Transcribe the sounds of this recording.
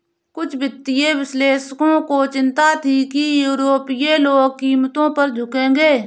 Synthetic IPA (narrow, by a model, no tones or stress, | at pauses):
kʊt͡ʃʰbɪt̪ːɪjeʋɪsleːsəkõːkot͡ʃɪ̃nt̪at̪ʰikijuːɾoːpijeloːɡ̚kiːmt̪õpəɾd͡ʒʱʊkẽːɡeː